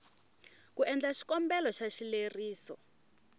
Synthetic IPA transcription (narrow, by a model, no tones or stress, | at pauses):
kuʔɛnd͡ɮaʃi̥kɔmbɛlɔʃaʃileriːsɔ